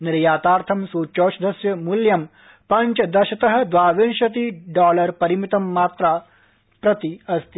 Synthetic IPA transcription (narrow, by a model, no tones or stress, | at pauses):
niɾjaːt̪aːɾt̪ʰɐmsuːt͡ʃoːsɐd̪ɐsjɐmuljɐm | pɐɲt͡ʃɐd̪ɐʃɐt̪ɐɦɐ̆d̪ʋaːʋinʃɐt̪̬iɖɔːlɐɾpɐɾimit̪ɐmːaːt̪ɾa | pɾɐt̪iɐst̪i